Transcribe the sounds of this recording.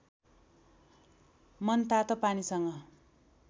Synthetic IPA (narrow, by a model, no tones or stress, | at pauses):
mʌnt̪at̪ʌpanisʌŋɡʌ